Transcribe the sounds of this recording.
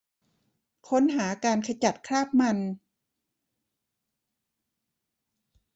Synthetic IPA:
kʰo˦˥nɦaː˩˦kaː˧nkʰa˧t͡ɕa˨˩t̪̚kʰɾaː˥˩p̚ma˧n

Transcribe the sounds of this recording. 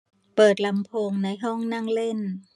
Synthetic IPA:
pɤː˨˩t̪̚la˧mpʰoː˧ŋna˧jɦɔ˥˩ŋna˥˩ŋle˥˩n

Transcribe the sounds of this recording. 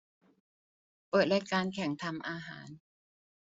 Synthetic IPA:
pɤː˨˩t̪̚lɛ˦˧˥kaː˧nkʰɛ˩˦ŋt̪ʰa˧mʔaː˧ɦa̰ː˩˦n

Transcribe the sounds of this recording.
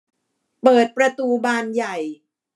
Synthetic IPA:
pɤː˨˩t̪̚pɾa˧t̪uː˧baː˧nja˨˩j

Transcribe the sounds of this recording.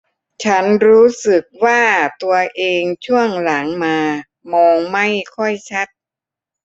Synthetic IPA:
t͡ɕʰa˦˥nɾuː˦˥sɯ˨˩k̚waː˥˩t̪u˧ɐʔeː˧ŋt͡ɕʰu˥˩əŋla˩˦ŋmaː˧ | mɔː˧ŋma˥˩jkʰɔ˥˩jt͡ɕʰa˦˥t̪̚

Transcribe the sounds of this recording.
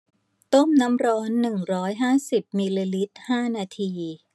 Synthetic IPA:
t̪o˥˩mna˦˥mɾɔː˦˥nːɯ˨˩ŋɾɔː˦˥jɦaː˥˩si˨˩p̚miː˧liː˧li˦˥t̪̚haː˥˩naː˧t̪ʰiː˧

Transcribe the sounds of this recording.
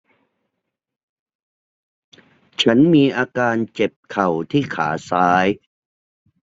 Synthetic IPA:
t͡ɕʰa˦˥nmiː˧ʔaː˧kaː˧nt͡ɕe˨˩p̚kʰa˨˩wt̪ʰiː˥˩kʰaː˩˦saː˦˥j

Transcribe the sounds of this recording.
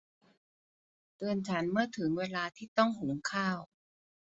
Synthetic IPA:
t̪ɯː˧ənt͡ɕʰa˦˥nmɯ˥˩ɐt̪ʰɯ˩˦ŋweː˧laː˧t̪ʰiː˥˩t̪ɔ˥˩ŋɦu˩˦ŋkʰaː˥˩w

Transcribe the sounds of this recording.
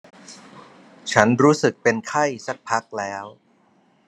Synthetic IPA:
t͡ɕʰa˦˥nɾuː˦˥sɯ˨˩k̚pe˧nkʰa˥˩jsa˨˩k̚pʰa˦˥k̚lɛː˦˥w

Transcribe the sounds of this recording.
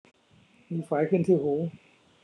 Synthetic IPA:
miː˧faː˩˦jkʰɯ˥˩˨nt̪ʰiː˥˩huː˩˦

